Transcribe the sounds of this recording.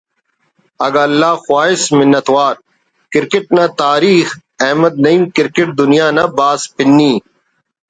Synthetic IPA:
ɐɡalːaːxʊwaːɪsmɪnːɐt̪waːɾ | kɪɾkɪʈ̚nãːt̪aːɾiːxɛɦmɐd̪̚nɐiːmkɪɾkɪʈ̚d̪ʊnɪjaːnabaːspɪnːiː

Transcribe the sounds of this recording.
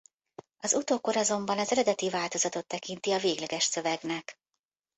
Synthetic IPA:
ɒzut̪oːkoɾɒzo̞mbɒnɒzɛɾɛd̪ɛt̪ivaːlt̪o̞zɒt̪o̞t̪ːɛkint̪iɒveːɡlɛɡɛʃsø̞vɛɡnɛk

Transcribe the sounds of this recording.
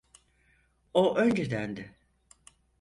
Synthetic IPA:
oʔønd͡ʒed̪ænd̪ɪ

